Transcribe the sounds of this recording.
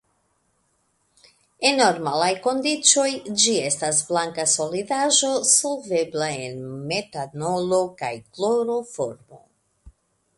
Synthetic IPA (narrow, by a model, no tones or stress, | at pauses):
e̞noɾmalajko̞ndit͡so̞jd͡ʒie̞stasblaŋkaso̞lidaʒo̞so̞lve̞blae̞nme̞tano̞lo̞ka̰jklo̞ɾo̞fo̞ɾmo̞̰